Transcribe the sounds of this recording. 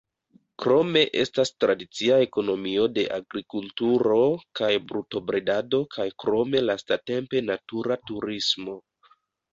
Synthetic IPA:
kɾo̞me̞ʔe̞̰stastɾadit͡siae̞ko̞no̞mio̞de̞ʔaɡɾikultuɾo̞kajbɾuto̞bɾedado̞kʰajkɾo̞me̞lastate̞mpe̞natuɾatuɾismo̞

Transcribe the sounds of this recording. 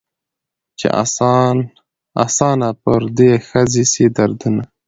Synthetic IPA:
t͡ʃḛʔa̰s | a̰sɑnapəɾd̪exəzisid̪aɾd̪una

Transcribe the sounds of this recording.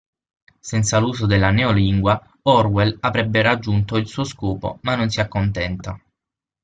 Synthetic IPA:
sɛnt̪saluːzod̪elːaneoliŋɡwa | ɔrwɛlavɾɛbːeɾad͡ʒːunt̪oilsuːoskuːpo̰manːonsiakːont̪ɛnt̪a

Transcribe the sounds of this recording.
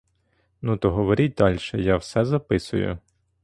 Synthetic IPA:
nut̪ɔɦɔʋɔɾʲit̚ʲd̪ɑlʲʃɛjɑwsɛzɐpɪsʊ̰jʊ̰

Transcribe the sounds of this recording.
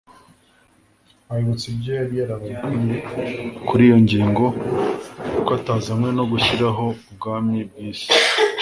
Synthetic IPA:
ajoβot͡sibɟeaɾijaɾaβaɡuɲekuɾijo̞ɲɟiːŋɡo̞ | kwataːzamwe̞no̞ɡuʃiɾaɦo̞ | bɡaːmibiːsi̥

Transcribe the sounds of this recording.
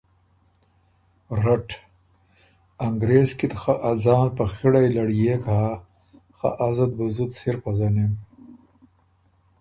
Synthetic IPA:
ɾaʈ | aŋɡɾeːzkit̪xaʔad͡zɑːnpaxiɽajlaɽjekaː | xa̰ʔazad̪̚buzut̪siɾpazɐnim

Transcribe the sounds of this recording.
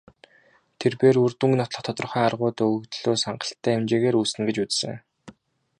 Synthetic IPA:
t̪ʰerpeːrurt̪uŋnɔt̪ɮɞ̆χt̪ʰɔ̥t̪ɞ̆rχæːarʁʊːt̪ɵkt̪ɮoːsaɴɢə̆ɬt̪ʰːæːemt͡ɕeːɣeːɾusɘ̆nɡet͡ɕut͡ssɘ̰̆ŋ

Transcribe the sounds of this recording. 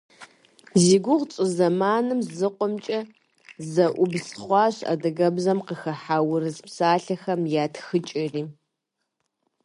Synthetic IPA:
ziːɡʷʊʁt͡ʃʼɨzɐmaːnɨmzɨqʷʼɔmt͡ʃʼɐ | zɐʔʷʊbsχʷɑːɕɐ̰dɐɣɐbzɐmqəxɐħawʊrɨzpsaːɬɐxɐmjaːtxɨt͡ʃʼɪriː

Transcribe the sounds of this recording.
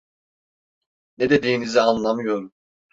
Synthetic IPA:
ned̪e̞d̪iːnizɛanlˠamɯjo̞ɾum

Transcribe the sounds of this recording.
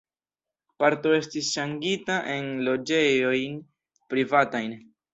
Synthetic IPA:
paɾto̞e̞stisʃaŋɡitaʔe̞nlo̞d͡ʒe̞jo̞jn | pɾivatajn

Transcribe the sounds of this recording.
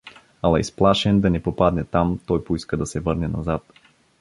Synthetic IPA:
alˠaisplˠaʃɛnd̪anɛpopad̪nɛt̪amt̪ɔjpoiskɐd̪ɐsɛvɤɾnɛna̰zat̪

